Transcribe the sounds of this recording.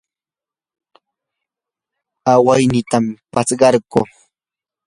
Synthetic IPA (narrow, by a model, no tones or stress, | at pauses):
awajnɪt̪ampat͡sɢɑɾku